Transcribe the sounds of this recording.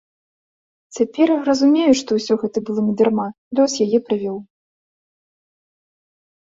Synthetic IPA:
t͡sʲapʲɛrjarɐzumʲejuʂt̪ɔwsʲɔɣɛt̪ɐbɨlˠɔnʲɐd̪ʲɛrma | d̪ʲɔsʲjajɛpɾɨvʲɔw

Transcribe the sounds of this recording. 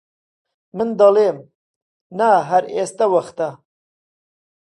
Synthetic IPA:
mənd̪ɐleːm | naɦaɾest̪awɐxt̪a

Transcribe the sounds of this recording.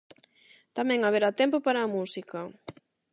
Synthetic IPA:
t̪amɛ̃ŋaβeɾat̪ɛmpopaɾaːmusikɐ

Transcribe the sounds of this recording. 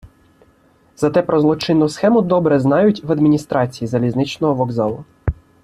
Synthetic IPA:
z̥ɐt̪ɛpɾɔzlˠɔt͡ʃɪnːʊsxɛmʊd̪ɔbɾɛznɑjʊtʲʋɐd̪mʲinʲist̪ɾɑt͡sʲijizɐlʲiznɪt͡ʃnɔɦɔʋɔɡzɑlˠʊ

